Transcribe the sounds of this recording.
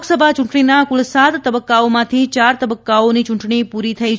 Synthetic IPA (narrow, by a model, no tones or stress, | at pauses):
ksəbʱat͡ʃʊ̃ɳʈɳinakʊlsat̪t̪ːəbəkːaomãt̪ʰit͡ʃaɾt̪əbəkːaonit͡ʃʊɳʈɳipuɾit̪ʰəit͡ʃʰ